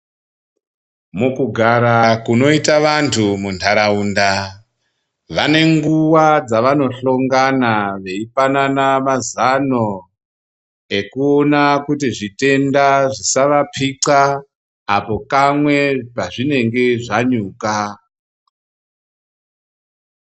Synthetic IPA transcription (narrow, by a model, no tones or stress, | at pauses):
mukuɡʱaɾakuno̞itaʋantʰumuntʰaɾauːnda | ʋane̞ŋɡuwad͡zaʋano̞ɬo̞ŋɡanaʋe̞ifananamazano | e̞kuo̞nakutiʐite̞ndaʐisaʋapʰiǀaː | po̞kamwe̞paʐine̞ŋɡe̞ʐaɲuːka